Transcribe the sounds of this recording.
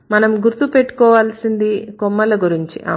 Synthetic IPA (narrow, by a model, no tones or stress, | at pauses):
mɐnɐmɡuɾt̪upeʈːu̥kɔːʋaːlsind̪ikɔmːɐlɐɡuɾiɲt͡ʃiʔɐ